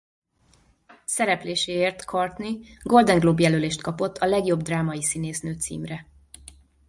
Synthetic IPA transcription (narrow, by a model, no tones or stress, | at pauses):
sɛɾɛpleːʃeːeːrt̪kʰɒrt̪niɡo̞ld̪ɛŋɡloːbjɛløːleːʃt̪kɒpo̞t̪ʰːɒlɛɡjo̞bd̪raːmɒjisineːsnøːt̪sḭːmrɛ